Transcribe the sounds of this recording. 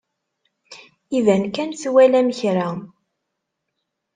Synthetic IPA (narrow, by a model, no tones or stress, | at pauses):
ivænkænθwælæməçɾa